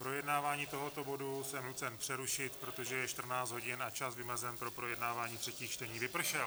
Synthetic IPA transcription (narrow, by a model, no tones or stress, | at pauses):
pɾo̞jɛdnaːvaːɲiːt̪oɦo̞t̪o̞bo̞dusɛmnut͡sɛnpr̥ɛɾuʃɪt̪pɾo̞t̪o̞ʒɛjɛʃt̪r̩naːt͡st̪ɦo̞ɟɪnat͡ʃasvɪmɛzɛnpɾo̞pɾo̞jɛdnaːvaːɲiːt̪r̥ɛciːxt͡ʃt̪ɛɲiːvɪpr̩ʃɛl